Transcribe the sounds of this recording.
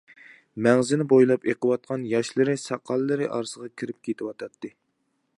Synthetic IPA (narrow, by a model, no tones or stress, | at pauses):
mɛŋzɪnɪbojlˠɑpeqʰəwɑt̪̚qʰɑnjɑʃlˠɨɾɨsɑqʰːɑlˠːɨɾɨʔɑɾsəʁɑkʲʰiɾɪp̚kʲʰet̪ʰɪwɑt̪ʰɑt̪ʰːɨ